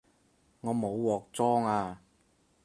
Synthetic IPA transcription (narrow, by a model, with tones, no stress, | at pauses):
ŋɔː˨˧mo˨˧wwɔː˨˩k̚t͡sɔː˥ŋaː˧